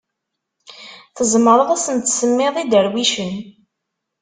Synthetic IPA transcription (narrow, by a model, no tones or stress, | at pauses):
θəzˤməɾˤəðˤæsənt̪səmːɪðˤid̪əɾwiʃən